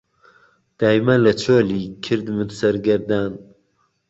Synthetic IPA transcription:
d̪̥aːjmɐlɐt͡ʃʰoːlikʰɨɾd̪mɨd̪sɐɾɡɐɾd̪aːn

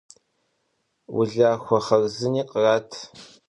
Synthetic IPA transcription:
wʊ̰ɮaːxʷɔχɐrzɨniːqʼəraːtʰ

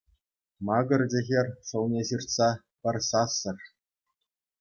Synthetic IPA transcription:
mɑɡɤ̆rʲd͡ʑɘ̆ɣʲerʲʂɤ̆lˠnʲeɕirt̪sɑ | pʲɘ̆rʲsɑsːɤ̆rʲ

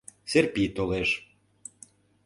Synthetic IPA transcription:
serpit̪oleʃ

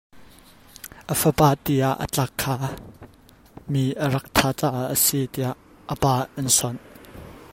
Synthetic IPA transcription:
ʔəfəpaːt̪iɐ̰ʔə̰t͡ɬɐkʰːaː | miʔəɾɐk̚t̪ʰat͡saʔəsit̪iɐʔ | əpaːʔɐnsɔn

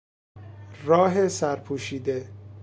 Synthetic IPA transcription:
rɒːɦesæɾpʰuːʃiːd̪e

